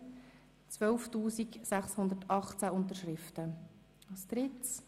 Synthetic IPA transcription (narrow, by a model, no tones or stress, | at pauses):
t͡sʋœlftuːsiksæχshʊnd̪əɾtɑχt͡sæʊnt̪əɾʃɾɪft̪ə | ɑst̪ɾɪt͡s